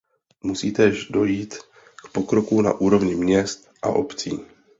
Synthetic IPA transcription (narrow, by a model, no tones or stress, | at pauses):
musiːt̪ɛːʒdo̞jiːt̪ | kpo̞kɾo̞kuna̰ʔuːɾo̞vɲɪmɲɛst̪ʔa̰ʔo̞̰pt͡siː